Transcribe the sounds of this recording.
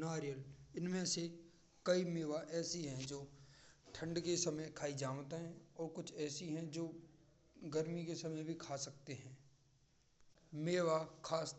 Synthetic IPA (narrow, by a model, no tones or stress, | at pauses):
naːɾijəlɪnmẽse | kɐimeːʋaʔɛːsiɦɛ̃d͡ʒoːʈʰə̃ɳɖkesɐməjkʰaːid͡ʒaːʋt̪ɦɛ̃ɔːɾkʊt͡ʃʰɛːsiɦɛ̃d͡ʒoː | ɡəɾmikesɐməjbʱikʰaːsɐk̚t̪eɦɛ̃ː | meːʋakʰaːs